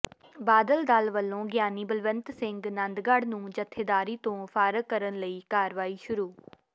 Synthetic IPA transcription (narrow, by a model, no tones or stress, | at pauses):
baːd̪əld̪alʋəlːõːɡjaːniːbəlʋənt̪sɪŋɡnənd̪ɡəɽnũːd͡ʒət̪ʰːeːd̪aːɾiːt̪õːfʰaːɾəkkːəɾənləiːkaːɾʋaːiːʃʊɾuː